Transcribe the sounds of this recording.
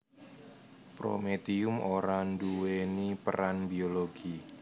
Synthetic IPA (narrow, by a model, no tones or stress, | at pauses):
pɾo̰met̪iʊmoɾanduwenipəɾanbioloɡ̥i